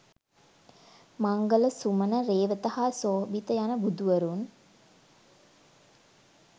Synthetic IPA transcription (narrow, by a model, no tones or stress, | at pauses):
maŋɡələsumənəɾeːʋət̪ahaːsoːbit̪əjanəbud̪uʋəɾun